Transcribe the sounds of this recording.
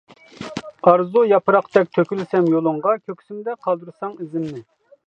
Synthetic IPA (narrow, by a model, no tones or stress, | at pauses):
ɑɾzujɑpɨɾɑqd̪ɛk̚ʲt̪ʰøkʲylɪsɛmjolˠʊɴʁɑkʲʰøkʲsymd̪ɛqʰɑlˠd̪uɾsɑŋizɪmnɪ